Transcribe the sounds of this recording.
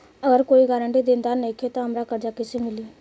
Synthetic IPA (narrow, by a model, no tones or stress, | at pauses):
əɡəɾkoːiɡaːɾəɳʈid̪ɪ̃nd̪anekʰet̪oɦɐmɾakəɾd͡ʒakɪsemɪliː